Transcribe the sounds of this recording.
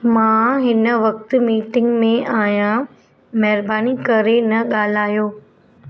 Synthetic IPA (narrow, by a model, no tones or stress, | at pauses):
mãːɦɪnə̆ʋɐk̚t̪̆miːʈɪ̃ŋɡmẽʔaːjã | mɛɦɪɾbaːnikɐɾenɐɠaːl̤aːjoː